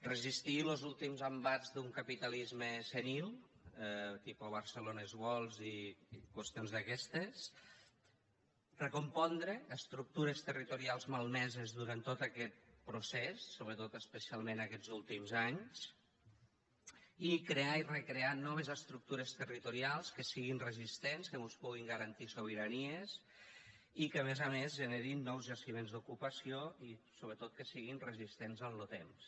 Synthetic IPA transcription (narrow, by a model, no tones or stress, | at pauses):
rəzist̪ilozulˠt̪imzəmbad͡zðuŋkapit̪alizməsenilˠ | t̪ipoβəɾsəlonazβɔlˠzikwəst̪ionzðəkɛst̪es | rəkumpɔnd̪ɾəːst̪ɾuk̚t̪uɾest̪ərit̪uɾialˠzmalˠnɛzezðuɾant̪ot̪akɛt̪̚pɾusɛsːoβɾət̪ot̪əspəsialˠmenəkɛd͡zulˠt̪imzaɲs | ikɾeairəkɾeanɔβ̞ezəst̪ɾuk̚t̪uɾəst̪ərit̪uɾialˠskəsiɣinrəzist̪enskəmuspuɣ̞iŋɡəɾənt̪isoβ̞iɾaniez | ikəmezamezʒəneɾinːɔwzʒəsimenzd̪ukupəsioisoβɾət̪ot̪̚kəsiɣinrəzist̪enzənlot̪ems